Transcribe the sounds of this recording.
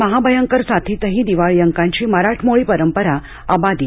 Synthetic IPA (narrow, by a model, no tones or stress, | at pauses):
əɦabʱəjəŋkəɾsat̪ʰiːt̪əɦĩːd̪iʋaɭjəŋkãɲt͡ɕiːməɾaʈʰmoɭiːpəɾəmpəɾa | a̰bad̪i